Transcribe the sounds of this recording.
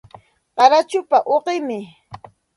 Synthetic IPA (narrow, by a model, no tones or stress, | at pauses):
qɑɾat͡ʃʊpaʔoqɪmɪ